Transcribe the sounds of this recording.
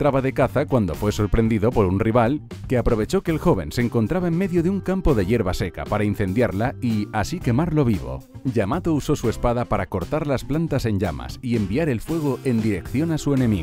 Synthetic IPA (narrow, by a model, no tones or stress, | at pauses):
t̪ɾaβaðe̞kaθakwand̪o̞fwe̞so̞ɾpɾe̞nd̪iðo̞po̞ɾunriβalke̞apɾo̞β̞e̞t͡ʃo̞ke̞ːlxo̞β̞e̞̰nseŋko̞nt̪ɾaβaemːe̞ðjo̞ðeuŋkampo̞ðe̞ʝe̞ɾβase̞ka̰paɾain̟θe̞nd̪jaɾlaiasike̞maɾlo̞β̞iβo̰ʎamat̪ouso̞sue̞spaðapaɾako̞ɾt̪aɾlasplant̪ase̞ɲɟama̰sie̞mbiaɾe̞lfwe̞ɣ̞o̞ʔe̞nd̪iɾe̞kθjo̞nasue̞ne̞miɣo